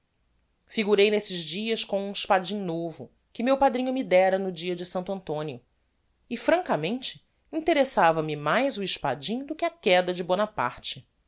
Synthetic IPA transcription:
fiɡuɾejnesɪʒd͡ʒiɐskõw̃ũiʃpad͡ʒĩŋ̃novʊ | kɪmewpad̪ɾĩɲʊmid̪ɛɾɐnʊd͡ʒiɐd͡ʒɪsɐ̃nt̪ʊɐ̃nt̪õniʊ | ɪfɾɐ̃ŋkɐmẽnt͡ʃɪ̥ | ĩnt̪eɾesavɐmɪmajzʊiʃpa̰d͡ʒĩŋ̃d̪ʊkɪɐkɛd̪ɐd͡ʒɪbonɐpa̰ɾt͡ʃɪ

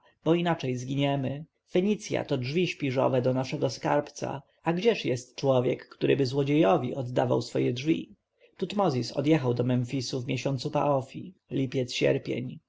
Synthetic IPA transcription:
b̥ɔinat͡ʂɛjzɡʲiɲɛmɘ | fɛɲit̪sʲja̰t̪ɔdʐvʲiɕpʲiʐɔ̰vɛd̪ɔnaʂɛɡɔska̰ɾpt̪sa̰ | aɡd͡ʑɛʂjɛst̪t͡ʂwɔvʲjɛ̰kːt̪uɾɘbɘzwɔd͡ʑejɔvʲḭɔd̪ːava̰wsfɔjɛdʐvʲḭ | t̪ut̪mɔzʲisɔ̰d̪jɛxawd̪ɔmɛnfʲisuvmʲjeɕɔnt̪supaʔɔfʲilʲipʲjɛt̪sɕɛ̰ɾpʲjḛɲ

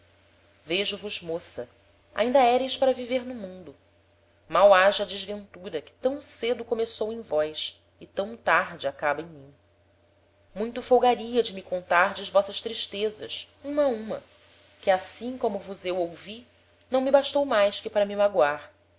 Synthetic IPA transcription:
veʒʊvʊzmosɐ̰ | ʔa̰ĩnd̪ɐɛɾejʃpaɾɐviveɾnʊmũnd̪ʊ | mawaʒɐd͡ʒɪzvẽnt̪uɾɐkɪ̥t̪ɐ̃w̃sed̪ʊkomesowẽj̃vɔjs | ɪt̪ɐ̃w̃t̪aɾd͡ʒɪakabɐẽj̃mĩ | mũj̃t̪ʊfowɡaɾiɐd͡ʒɪmɪkõnt̪aɾd͡ʒɐʒvɔsɐʃt̪ɾiʃt̪ezɐ̰ʃũmɐũmɐ | kɪasĩkõmʊvʊzewowvi | nɐ̃w̃mibaʃt̪owmajʃkɪpaɾɐmimaɡwaɾ

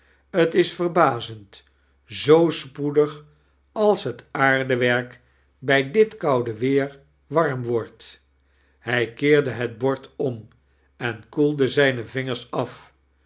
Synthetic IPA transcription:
ətɪsfərbaːzənt | zowspudəχ | ɑlˠsɦətaːɹdəʋɛɹk | bɛjdɪtkʌwdəʋɪːɹ | ʋɑɹmʋɔɹt | hɛjkɪːɹdəɦəd̚bɔɹtʰɔm | ɛnkulˠdəzɛjnəvɪŋəɹsɑf

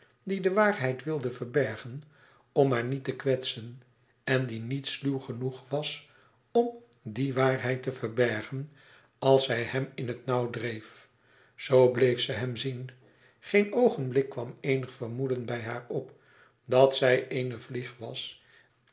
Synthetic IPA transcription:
didəʋaːrɦɛjtʋɪlˠdəvəɹbɛɹχən | ɔmɦaːɹnitəkʋɛtsən | ɛndinitsluwχənuχʋɑs | ɔm | diʋaːɹɦɛjtəvəɹbɛɹχən | ɑlˠsɛjhɛmɪnɦətnɑwdrejf | zowblejfsəɦɛmzin | χejnowχənblɪkːʋɑmejnəχfərmudənbɛjɦaːɹɔp | dɑtsɛjʔejnəvliχʋɑs

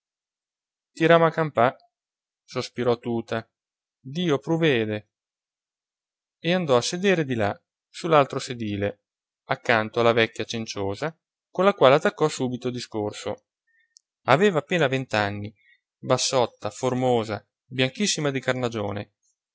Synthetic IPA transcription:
t̪iɾamakampa | sospiɾɔt̪ːuːt̪a | d̪iːopɾuveːd̪e | eand̪ɔasːed̪eːɾed̪ila̰ | sulːalt̪ɾosed̪iːle | akːant̪oalːavɛkːjat͡ʃent͡ʃoːza | konlakwaːleat̪ːakːɔsuːbit̪od̪iskorso̰ | aveːvaːpːeːnavent̪anːi | basːɔt̪ːaformoːza̰ | bjaŋkisːimad̪ikarnad͡ʒoːnḛ

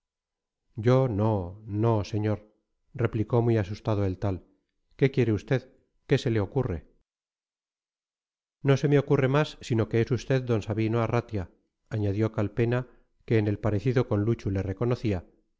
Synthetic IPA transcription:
ɟ͡ʝo̞no̞no̞se̞ɲo̞ɾ | re̞pliko̞mujasust̪aðoelt̪al | ke̞kje̞ɾe̞ust̪e̞ð | ke̞se̞le̞o̞kure̞ | no̞se̞meo̞kure̞masːino̞ke̞esust̪e̞ðd̪o̞nsaβinoarat̪ja | aɲaðjo̞kalpe̞na | keːne̞lpaɾe̞θiðoko̞nlut͡ʃule̞re̞ko̞no̞θia

